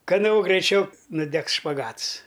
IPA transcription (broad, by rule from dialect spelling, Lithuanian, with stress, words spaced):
kɐˈnoː ɡrɐɪˈt͡ʃʲɛʊ nʊˈdʲɛks ʃpɐˈɡɐts